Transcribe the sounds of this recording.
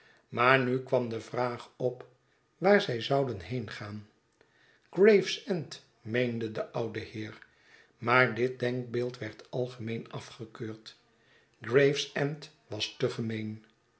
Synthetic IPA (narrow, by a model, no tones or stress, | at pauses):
maːɹnykʋɑmdəvraːχɔp | ʋaːɹzɛjzɑwdənɦejnχaːn | ɡ̥rejfsɛnt | mejndədəʔʌwdəhɪːɹ | maːɹdɪt̚dɛŋk̚bɪːlˠtʋɛɹtɑlˠχəmejnɑfχəkøːɹt | ɡrejfsɛmt | ʋɑstəχəmejn